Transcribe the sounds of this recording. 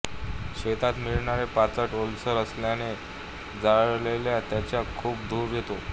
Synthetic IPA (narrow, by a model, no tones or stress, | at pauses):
ɕet̪at̪miɭɳaɾepat͡saʈolsəɾəsljane | d͡zaɭleljat̪jat͡ɕjakʰuːpd̪ʱuːɾjet̪o